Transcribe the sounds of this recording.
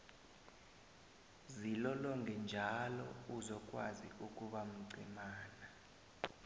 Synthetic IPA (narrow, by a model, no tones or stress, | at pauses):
zilɔlɔŋɡʱɛnd͡ʒʱalɔ̰uzɔk̬ʼwa̰zḭuk̬ʼuɓam̩ɡ͡ǀʱimaːna